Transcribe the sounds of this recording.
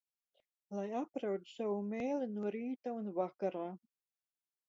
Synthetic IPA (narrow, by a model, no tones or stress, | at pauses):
lˠajapɾawt̪sawumʲeːlinuɔɾiːt̪aunvakaɾaː